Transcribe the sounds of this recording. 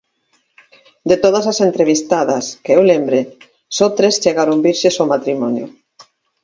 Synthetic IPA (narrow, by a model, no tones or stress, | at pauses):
d̪et̪oð̞ɐsasent̪ɾeβ̞ist̪aðɐskeewlembɾe | sɔt̪ɾest͡ʃeɣaɾombiɾʃesomat̪ɾimɔnjʊ̰